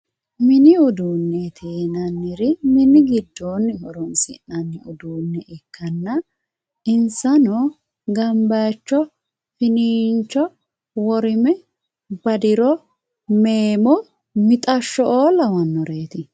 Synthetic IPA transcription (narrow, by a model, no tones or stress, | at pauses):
mɪnɪʊd̪uːnːɛt̪ʰeːnɐnːɪɾɪmɪnɪɡɪd̪ːoːnːɪhɔɾɔnsɪ̰nːɐnːɪʊd̪uːnːɛʔɪkʰːɐnːɐ | ɪnsɐnɔ | ɡɐmbaːt͡ʃːɔ | fɪniːnt͡ʃːɔ | wɔɾɪmɛ | bɐd̪ɪɾɔ | meːmɔ | mɪt̪ʼɐʃːɔoːlɐwɐnːɔɾe̞ːt̪ɪ